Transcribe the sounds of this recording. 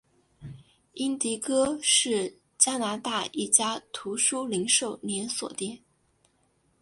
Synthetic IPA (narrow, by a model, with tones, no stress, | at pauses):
i˥nt̪i˧˥kɤ˥ʂɻ̩˥˩ | t͡ɕja˥na˧˥t̪a˥˧i˥˩t͡ɕja˥t̪ʰu˧˥ʂu˥li˧˥ŋʂo˥˩ʊnjɛ˧˥nswɔ̰˨˩t̪jɛ˥˩˦n